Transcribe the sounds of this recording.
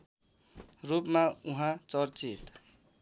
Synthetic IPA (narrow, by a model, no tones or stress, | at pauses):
rupmauɦãt͡sʌrt͡sit̪